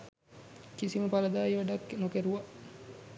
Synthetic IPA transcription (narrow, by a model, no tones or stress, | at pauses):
kisiməpaləd̪aːjʋaɖakːnokeɾuʋa